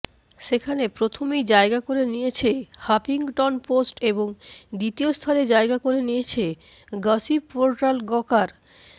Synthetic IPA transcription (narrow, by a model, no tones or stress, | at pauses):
ʃekʰanepɾot̪ʰomejd͡ʑaeɡakoɾenijet͡ɕʰehapiŋʈɔnposʈeboŋd̪it̪iost̪ʰaled͡ʑaeɡakoɾenijet͡ɕʰe | ɡasipoɾʈalɡɔkaɾ